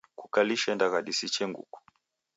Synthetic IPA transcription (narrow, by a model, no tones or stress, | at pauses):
kukaliʃɛndaɣaɗisit͡ʃɛŋɡṵku̥